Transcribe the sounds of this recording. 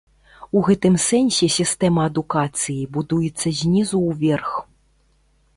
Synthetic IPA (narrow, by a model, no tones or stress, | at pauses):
uɣɛt̪ɨmsɛnʲsʲɛsʲist̪ɛmɐɐd̪ukat̪sɨjibud̪ujɛt̪sːɐzʲnʲizuːvʲɛrx